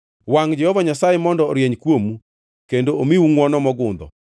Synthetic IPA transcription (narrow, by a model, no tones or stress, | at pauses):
waŋd͡ʒɛhɔvaɲasajemɔndɔɾjeɲkwomu | kendoomiwuŋwɔnɔmɔɡʊnd̪ɔ̰